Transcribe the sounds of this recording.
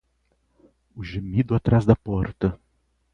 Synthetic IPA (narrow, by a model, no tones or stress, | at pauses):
ʊʒemid̪ʊat̪ɾazd̪ɐpɔɾt̪ɐ